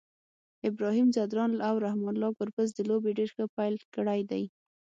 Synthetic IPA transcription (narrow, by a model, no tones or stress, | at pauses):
ɪbɾɑɦimzad̪ɾɑnlawɾahmɑnlɑpəɾpəz̬d̪əlobeɖeɾxəpajlkɽajd̪aj